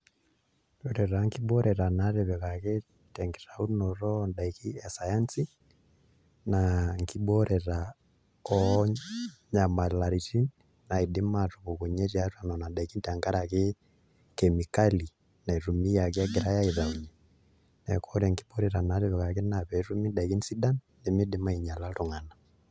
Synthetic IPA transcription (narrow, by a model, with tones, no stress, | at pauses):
ɔ˨ɾɛ˨ɾa˨ŋki˦ɓɔ˦ɾɛɾa˨na˨ɾɛ˨βɛkake˦ | tɛ˨ŋɡɛ˨ɾa˨u˦nɔɾɔ˦nda˨iki˦ɛ˨sa˨ja˦nsi˦ | naŋki˦ɓɔ˦ɾʔɛɾa | ɔ | ɲa˨ma˨la˨ɾiti˦n | na˨idi˦matuβoku˨ɲɛ˦ɾjatwa˨nɔna˨da˨iki˦nta˨ŋɡa˦ɾake˦ | kɛmi˨ka˦li˨ | na˨i˨ɾu˨mi˦ja˨kja˦ɡeɾa˦ja˦iða˨uɲɛ | nɛkɔɾaŋkiɓɔ˦ɾɛɾa˨na˨˦ɾeβɛ˨ka˨ke˦naβɛɾu˦mi˦da˨iki˦nsi˦da˦n | de˨me˦dima˦i˨ɲa˨lato˨ŋa˨na